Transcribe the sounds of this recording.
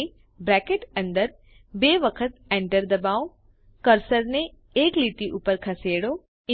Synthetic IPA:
bɾɛːkeʈɐ̃nd̪əɾ | beːʋəkʰət̪̚ɛ̃ːɳʈəɾd̪ɐbaːo | kɐɾsəɾnẽ | eːkliːʈiʔuːpəɾkʰɐseːɽo | ɪ

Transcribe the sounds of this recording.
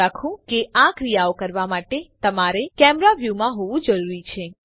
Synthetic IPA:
akʰũkeakɾijaokəɾʋamaʈet̪əmaɾekɛmɾaʋjumãɦoʋũd͡ʒəɾuɾit͡ʃʰe

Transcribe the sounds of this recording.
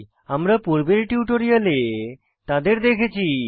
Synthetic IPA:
amɾapuɾbeɾʈiuʈoɾijale | t̪ad̪eɾd̪ekʰet͡ɕʰi

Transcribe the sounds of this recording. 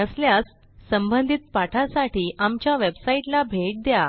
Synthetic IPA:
əsljasː | əmbənd̪ʱit̪̚paʈʰasaʈiːʔamt͡ɕjaʋebsaiʈlabʱeʈ̚d̪ja

